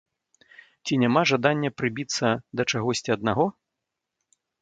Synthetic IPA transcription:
t͡sʲinʲamaʐad̪anʲːɐpɾɨbʲit̪sːɐd̪ɐt͡ʂaɣɔsʲt͡sʲiɐd̪naɣɔ

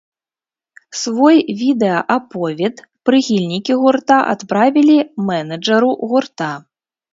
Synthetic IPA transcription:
svɔjvʲid̪ɛɐʔapɔvʲɛt̪ | pɾɨxʲilʲnʲikʲiɣurt̪aʔa̰t̪pɾavʲilʲimɛnɐd͡ʐɐɾuɣurt̪a

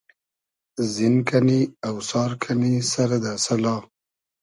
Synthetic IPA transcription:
zɪnkʰaniawsɑːɾkʰanisaɾad̪əsalɑ

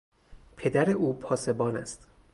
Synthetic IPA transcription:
pʰe̞d̪æɾe̞ʔuːpʰɒːse̞bɒːnæ̰st̪

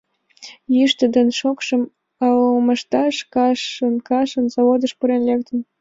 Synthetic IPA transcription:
jyʃt̪ə̆d̪enʃokʃə̆m | ɑoməʃt̪ɑʃkɑʃənkɑʃə̆nzoβod̪ə̆ʃpuɾenlʲek̚t̪ə̆n

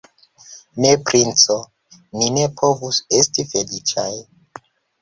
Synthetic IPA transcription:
nepɾint͡so | mine̞pʰo̞vusestife̞lit͡ʃaj

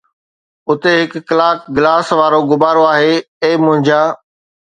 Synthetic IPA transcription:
ʊt̪eɦɪkːɪlaːkɡɪlaːsʋaːɾoɡʊbaːɾoaːɦeː | ẽːmʊ̃ɦɪ̃ɲd͡ʑaː

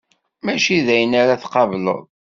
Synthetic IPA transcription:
mæʃiðæjənaɾaθqɑvlə̰ðˤ

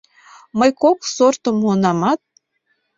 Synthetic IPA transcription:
mɤjkoksort̪ə̆mhonɑmɑt̪̚

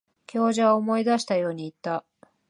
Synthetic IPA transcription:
kʲo̞ːʑaβaomo̞id̪aɕi̥t̪ajo̞ːɲ̟iːt̪ːa

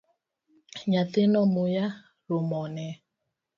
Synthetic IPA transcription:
ɲatɪnɔmʊja | ɾʊmɔnɛ

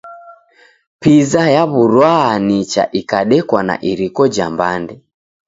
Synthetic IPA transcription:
pizajaβuɾwaːnit͡ʃa̰ʔikaɗɛkwana̰ʔiɾikɔd͡ʒambandɛ

